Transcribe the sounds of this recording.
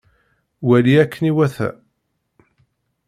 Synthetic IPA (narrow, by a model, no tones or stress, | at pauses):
wæliækʰːəniwæθæ̰